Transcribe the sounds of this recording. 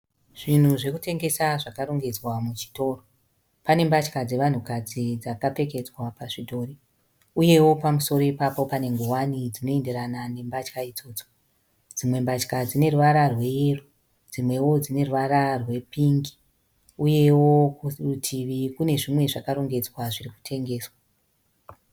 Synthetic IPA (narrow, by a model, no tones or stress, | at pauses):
ʐ̥in̤uʐe̞kute̞ŋɡe̞saʐakaɾoŋɡe̞d͡zwamut͡ʃi̥to̞ːro | pane̞mbat͡ʃkad͡ze̞ʋan̤ukad͡zid͡zakape̞ke̞d͡zwapaʐidʱo̞ːri | uje̞wo̞pamuso̞ɾo̞ipapo̞pane̞ŋɡowanid͡zino̞e̞nde̞ɾanane̞mbat͡ʃkaid͡zo̞ːd͡zo̥ | d͡zimwe̞mbat͡ʃkad͡zine̞ruʋaɾarwe̞jeru | d͡zimwe̞wo̞d͡zine̞ruʋaɾarwe̞piŋɡi̥ | uje̞wokurutʰiʋikune̞ʐimwe̞ʐakaɾo̞ŋɡe̞d͡zwaʐiriku̥tʰe̞ŋɡe̞ːswa